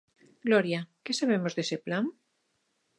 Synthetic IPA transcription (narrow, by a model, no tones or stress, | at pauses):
ɡloɾjakesaβ̞emozðeseplaŋ